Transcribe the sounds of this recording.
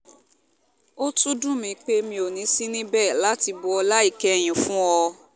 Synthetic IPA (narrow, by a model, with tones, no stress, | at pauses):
o˦tu˦dũ˦˨mĩ˧k͡pe˦mĩ˧o˨nĩ˨˦si˦nĩ˦bɛ˦˨la˦ti˧bɔ˧ɔ˧la˦i˦˨kɛ˦˨j̃ĩ˨fũ˦ɔ˧